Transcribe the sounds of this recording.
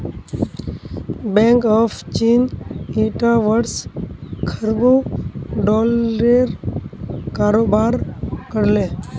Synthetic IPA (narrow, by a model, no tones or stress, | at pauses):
bẽːŋkɔːfʰt͡ʃiːniːʈaːʋəɽskʰəɾboːɖɔːlɾeːɾ | kaːɾoːbaːɾkəɽlẽː